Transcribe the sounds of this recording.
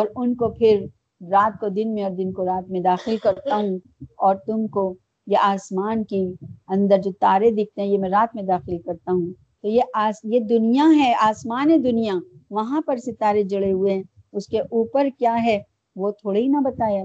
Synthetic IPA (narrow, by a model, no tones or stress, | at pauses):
ɔːɾʊnkopʰɪɾ | ɾaːt̪̚kod̪ɪnmẽɔːɾd̪ɪnkoɾaːt̪mẽd̪aːxɪlkɐɾt̪aɦũ | ɔːɾt̪ʊmko | jeʔaːsmaːnkiɐ̃nd̪əɾd͡ʒoːt̪aːɾed̪ɪk̚ʰt̪eɦɛ̃jemɛ̃ɾaːt̪mẽd̪aːxɪlkɐɾt̪aɦũ | t̪ojeʔaːsjed̪ʊnijaɦɛaːsmaːned̪ʊnijaʋɐɦãpɐɾset̪aːɾed͡ʒɐɽeɦʊeɦɛ̃ | ʊskeʔuːpəɾkjaːɦɛ | ʋot̪ʰoːɽɦinɐbɐt̪aːjaː